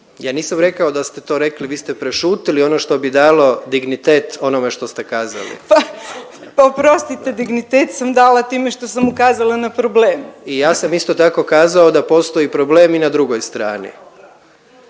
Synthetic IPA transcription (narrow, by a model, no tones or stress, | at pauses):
jaːniːsamɾe̞kaod̪ast̪et̪o̞ːɾe̞kliʋiːst̪epɾeʃuːt̪ilio̞noʃt̪o̞bid̪aːlˠo̞d̪iɡnit̪e̞ːt̪o̞nome̞ʃt̪o̞st̪e̞kaːza̰lḭpa | popɾo̞st̪it̪e̞d̪iɡnit̪eːt̪samd̪aːlat̪iːmeʃt̪o̞samukaːzalˠanapɾobleːmuijaːsamist̪o̞t̪ako̞kaːzaod̪apo̞st̪o̞ipɾo̞ble̞ːminad̪ɾuɡo̞jst̪ɾaːnḭ